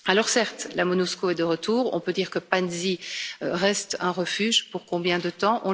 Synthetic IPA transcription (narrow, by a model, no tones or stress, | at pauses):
alɔʁsɛʁt̪lamɔnuskoɛd̪əʁət̪uːʁɔ̰̃pød̪iːʁkəpanziøʁɛst̪ɛ̃ʁəfyːʒpuʁkɔ̃bjɛ̃d̪ət̪ɑ̃ʔɔ̃